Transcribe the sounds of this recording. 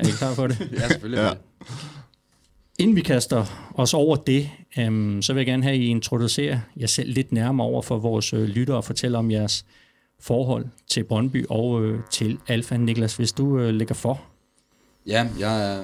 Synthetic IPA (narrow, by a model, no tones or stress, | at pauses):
ɐe̝ɡ̥əkʰlɑ̰̈ːfɒ̽ɾeseføl | e̝nn̩ʋikʰæsd̥ɐɒ̽sɒʊ̰ɐd̥e̝ | sɒ̽ʋe̝jäɡ̥æɐnɦæie̝nt͡sʰʁo̝d̥use̝̰ːɐjɑ̈ɪsel̰le̝d̥næɐmɐɒʊ̰ɐfɒ̽ʋɒːsølyɾɐɒfɒ̽t͡sʰel̰ɐɒ̽mjæɐs | fɒːɦɒ̽l̰t͡sʰe̝lb̥ʁɒnb̥y̰ːʔɒ̽ʊøt͡sʰe̝lælfæniɡ̥læsʋe̝sd̥uøleɡ̥ɐfɒ | jæjɑ